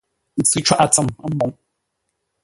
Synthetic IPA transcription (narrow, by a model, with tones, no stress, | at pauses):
n̩˨t͡sɨ˦t͡ʃwa˦ʔa˨t͡sə˨ma˦mɔ˨˦ŋ